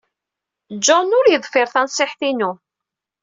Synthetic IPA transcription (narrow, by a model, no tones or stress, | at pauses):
d͡ʒɔnʊɾjəðˤfɪɾθænsˤɪħθinu